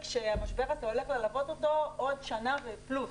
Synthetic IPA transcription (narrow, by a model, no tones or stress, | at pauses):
kʃeamaʃbeʁazeole̞χlelavo̞t̪ot̪o̞ʔod̪ʃanaveplu